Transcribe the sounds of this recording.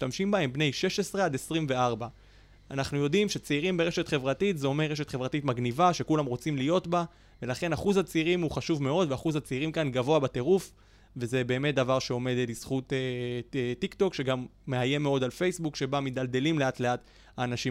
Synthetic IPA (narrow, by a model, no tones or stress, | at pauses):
iʃtamʃimbae̞mbne̞jʃe̞ʃesʁead̪esʁimve̞aʁba | anaχnujo̞dimʃe̞t͡seiʁimbeʁe̞ʃet̪χe̞vʁatitzeo̞me̞ʁe̞ʃ̬etχe̞vʁatit̪maɡnivaʃe̞kulamʁo̞t͡simlijo̞tba | ve̞laχe̞naχuzhat͡seiʁimuχaʃuvme̞o̞d̪veaχuzhat͡seiʁimkanɡavo̞abate̞ʁuf | ve̞ze̞be̞ːme̞t̚d̪avaʁʃeo̞me̞d̪lisχutetikt̪o̞kʃe̞ɡamːe̞aje̞meo̞d̪alfe̞jsbukʃe̞bamid̪alde̞limle̞atle̞at̪ | aːnaʃi